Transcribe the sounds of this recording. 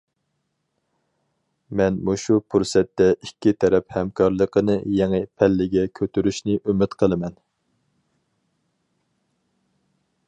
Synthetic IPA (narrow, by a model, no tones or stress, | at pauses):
mɛnmuʃupʰuɾsɛt̪ːɛʔikʲːit̪ʰɛɾɛphɛmkʰɑɾlˠəqənɨjɛŋɨpʰɛlːɪɡʲɛkʲʰøt̪yɾyʃnɨʔymɪt̪qʰəlˠɨmɛn